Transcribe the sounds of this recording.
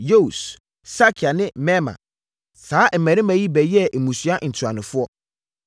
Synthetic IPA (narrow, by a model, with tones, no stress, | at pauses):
jo˦u˨s | sa˦kʰɪ˨a˨nɪ̃˦mɛ˦mã̰˨ | saː˦m˨mæ̃˨ɾɪ̃˦mã˨ji˦bɛ˨jɛ˦ʔe˨mũ˨sɥa˦ʔn̩˨tʰu˨a˨nɪ̃˨fʊ˦ɔ˦